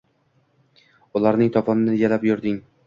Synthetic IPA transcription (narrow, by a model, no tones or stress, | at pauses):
ʊlˠaɾnɪŋt̪ʰɒpʰɒmnɪɪɡʲalapjʊɾd̪ɪŋ